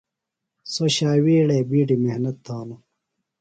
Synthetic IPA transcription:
soɕaːwiːɽeːbiːʈimehnɐt̪ʰːaːno

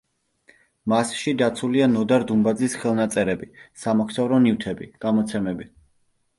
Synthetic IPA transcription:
masʃid̪at̪sʰulianɔd̪aɾd̪umbad̪zisχɛlˠnat̪sʼɛɾɛbisamɔkʰsavɾɔnivt̪ʰɛbḭɡ̥amɔt̪sʰɛmɛbi

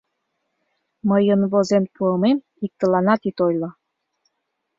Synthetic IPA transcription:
məjənβozemt̪uəmem | ik̚t̪ə̆lɑnɑt̪it̪ojlɤ

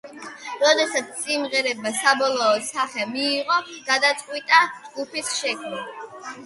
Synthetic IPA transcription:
ɾɔd̪ɛsat̪sʰsʼimʁɛɾɛbasabɔlˠɔːsaχɛmiːʁɔɡ̥ad̪at̪sʼqʼwit̪ʼad͡ʒɡupisʃɛkʰma

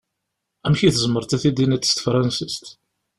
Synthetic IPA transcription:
æmçiθəzəmːəɾˤt̪æθid̪inæt̪ːə̥st̪fɾˤɑnsist̪

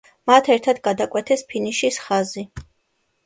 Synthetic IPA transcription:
mat̪ʰɛɾt̪ʰad̪ɡad̪akʼwɛt̪ʰɛspʰiniʃisχazi

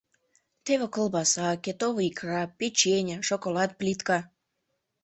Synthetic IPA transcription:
t̪eβĕkə̆lˠbɑsɑket̪oβikrɑpːet͡ɕenʲə̆ʃokolɑt̪̚plʲit̪kɑ

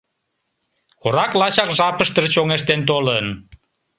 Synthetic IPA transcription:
oɾɑklɑɕɑkʒɑpəʃt̪ərt͡ɕoŋeʃt̪ent̪olən

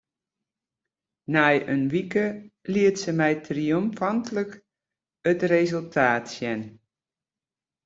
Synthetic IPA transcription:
najənʋikəliətsəmɛjtriomfantələk | ətrezəlˠtʰaːtsjɛn

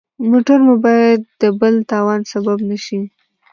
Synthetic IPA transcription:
moʈaɾmubɑjad̪ːəbəlt̪ɑwɑnsababnaʃi

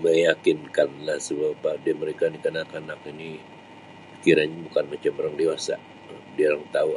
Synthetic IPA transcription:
məjakɪnkanlahsəbapadiaməɾekanikənakanakini | kiɾaɲabukanmat͡ʃaməɾaŋdewasa̰ʔ | diaɾaŋt̪au

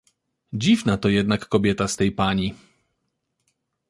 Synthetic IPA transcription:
d͡ʑivnat̪ɔjɛd̪nakːɔbʲjɛt̪ast̪ɛjpaɲi

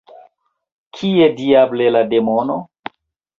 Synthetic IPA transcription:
kʰiediablelademono

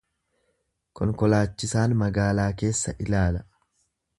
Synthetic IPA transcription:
kɔŋkɔlaːt͡ʃːɪsaːnmɐɡaːlaːke̞ːsːɐʔɪlaːlɐ

